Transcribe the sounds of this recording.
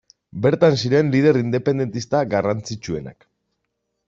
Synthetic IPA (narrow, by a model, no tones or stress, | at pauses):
be̞ɾt̪ansiɾe̞nlið̞e̞ɾind̪e̞pe̞nd̪e̞nt̪ist̪aɡarant͡sit͡ʃue̞̰na̰k